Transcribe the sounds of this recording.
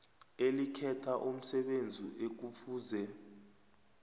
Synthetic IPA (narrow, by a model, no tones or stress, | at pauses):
elikʰɛtʰaʔum̩sɛɓend͡zʱḭʔek̬ufuːzɛ